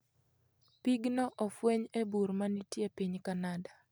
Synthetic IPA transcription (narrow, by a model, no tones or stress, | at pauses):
piɡnɔʔɔfweɲebuɾmanitjepiɲkanadḁ